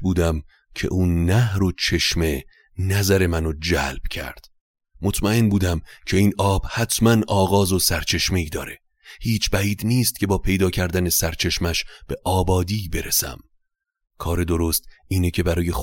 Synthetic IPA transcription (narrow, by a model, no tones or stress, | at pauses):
buːd̪æm | cʰe̞̰ʔunːæhɾot͡ʃʰe̞ʃme̞ | næzæɾe̞mænod͡ʒælb̥cʰæ̰ɾd̪̥ | mo̞t̪ʰmæe̞nbuːd̪æmcʰe̞iːnɒːb̥hæt̪ʰmænɒːɣɒːzo̞sæɾt͡ʃʰe̞ʃme̞iːd̪ɒ̰ːɾe̞ | hiːt͡ʃʰbæiːd̪niːst̪̚cʰe̞bɒːpʰe̞jd̪ɒːcʰæɾd̪æne̞sæɾt͡ʃʰe̞ʃmæʃb̥e̞ʔɒːbɒːd̪iːbe̞ɾesæ̰m | kʰɒːɾe̞d̪o̞ɾo̞st̪iːnecʰe̞bæɾɒːje̞x